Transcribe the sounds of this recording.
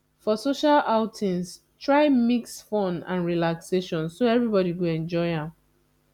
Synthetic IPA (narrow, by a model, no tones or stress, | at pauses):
fɔsoʃalaʊtʰĩns | tʰɹaɪmiksfɔ̃nã̰nɹilakseʃɔ̃nsoɛvɹibɔɾiɡoɛ̃nd͡ʒɔɪãm